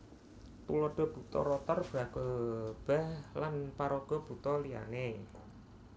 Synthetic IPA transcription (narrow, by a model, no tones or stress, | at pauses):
t̪uloɖ̥ɔ̤b̥ṳt̪ɔ̰ɾot̪ərb̥a̤ɡ̥əb̥ahlanpaɾoɡ̥ɔ̤b̥ṳt̪ɔlija̰ne